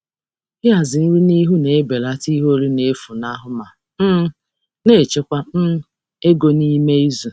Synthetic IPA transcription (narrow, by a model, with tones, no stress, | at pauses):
ɪ˦a˨zɪ˨n̩˦ɾu˦ni˦ɦu˦ne˨e˦be˨la˦ti˦ɦo˦ɾi˦ne˨˦e˦fu˨na˦ɦʊ˨ma˨ | m̩˦ | ne˦˨t͡ʃe˦kʷa˦m̩˦ | e˦ɡo˨ni˦me˦i˦zu˨